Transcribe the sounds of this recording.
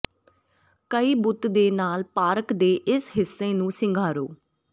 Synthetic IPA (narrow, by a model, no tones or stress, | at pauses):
kəiːbʊt̪d̪eːnaːlpaːɾəkd̪eːʔɪsɦɪsːẽːnũːsɪŋɡʱaːɾoː